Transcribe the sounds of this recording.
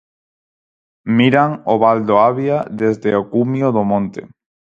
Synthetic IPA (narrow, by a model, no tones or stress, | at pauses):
miɾaŋoβald̪oaβjaðezðeokumjoðomõnt̪ḛ